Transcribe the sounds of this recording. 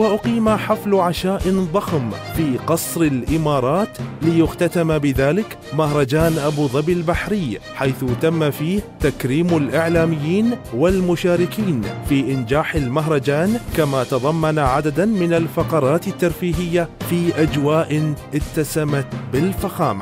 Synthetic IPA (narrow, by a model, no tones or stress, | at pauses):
waʔʊqiːmaħaflʕaʃaːʔɪðˤɑxmfiːqɑsˤɾɪlʔɪmɑːɾˤɑːt̪lɪjʊxt̪at̪ambɪðaːlɪk | mahɾˤɑd͡ʒaːnʔabuːðˤɑbɪlbaħɾɪjː | ħajθʊt̪amːafiːht̪akɾiːmalʔɪʕlaːmɪjːiːnwalmʊʃaːɾɪkiːnfiːʔɪnd͡ʒaːħɪlmaɦɾˤɑd͡ʒaːnkamat̪ɑðˤɑmːanaʕad̪ad̪amɪnalfɑqɑɾˤɑːt̪ɪt̪ːaɑɾˤfiːɦɪjːafiːʔad͡ʒwaːʔɪnʔɪt̪ːasamat̪bɪlfaxaːma